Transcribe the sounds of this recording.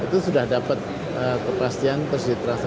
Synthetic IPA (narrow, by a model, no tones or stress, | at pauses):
it̪usudahdapat̪̚ | əkəpast̪iant̪ərsdit̪ɾansa